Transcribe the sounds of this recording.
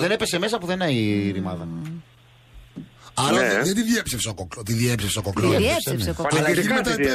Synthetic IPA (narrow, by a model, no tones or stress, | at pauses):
ðenepe̞semesɐpuðenɐiðimɐðɐ | ɐɾɐðent̪iðjepsefsokokt̪iðjepsefsokokɾosseiimet̪ɐt̪e